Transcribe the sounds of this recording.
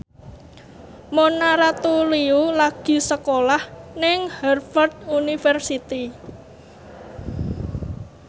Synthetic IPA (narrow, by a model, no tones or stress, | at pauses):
monaɾat̪uliulaɡ̥i̤səkolahnɪŋhɛrfərd̪̥unifɛrsit̪i